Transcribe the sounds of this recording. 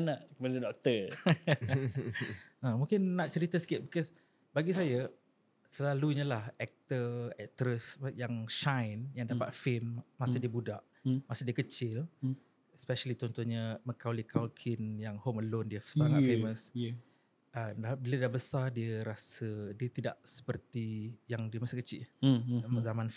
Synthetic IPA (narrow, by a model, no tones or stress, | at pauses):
naʔkəmadadɔk̚t̪ə | ə̃mũŋkɪnːaʔt͡ʃəɾit̪əsə̥kɪt̪̚bikɔs | baɡis̬ajə | səlaluɲalahɛk̚t̪əɛk̚t̪ɾəsjaŋʃajnjaŋdapa̰t̪̚femmasədiəbudaʔ | masədiəkət͡ʃɪl | ɛspɛʃəlit̪ɔnt̪oɲamə̃kawlikʰalkʰɪnjaŋhoməlondiəsaŋat̪ffeməs | əabiladaʔbəsadiəɾasədiət̪ida̰ʔsə̥pərt̪ijaŋdiəmasəkət͡ʃɪ̰lməzamãnf